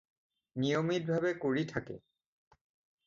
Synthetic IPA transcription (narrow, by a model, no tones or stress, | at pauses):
nijomit̚bʱabɛkoɹitʰakɛ̰